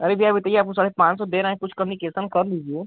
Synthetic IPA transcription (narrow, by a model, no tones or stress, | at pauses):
ɐɾeʋʱiaːbʱit̪ɐieaːpkũsaːɽepãːt͡ʃsɔd̪eːɾaːɦẽkʊt͡ʃʰkɐmnikesənkɐɾliːd͡ʒieː